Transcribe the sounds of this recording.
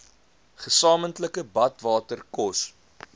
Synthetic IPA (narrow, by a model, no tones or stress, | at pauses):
χəsɑːməntləkəbɐtvɑːtərkɔs